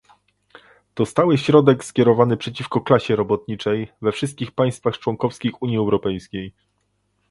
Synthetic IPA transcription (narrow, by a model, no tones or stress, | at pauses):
d̪̥ɔst̪awɘɕɾɔd̪ɛkskʲɛɾɔvanɘpʂɛt͡ɕifkɔklaɕɛɾɔbɔt̪ɲit͡ʂɛjvɛfʂɘst̪̚kʲixpaj̃st̪faxt͡ʂwɔŋkɔfskʲixuɲjiɛwɾɔpɛjskʲej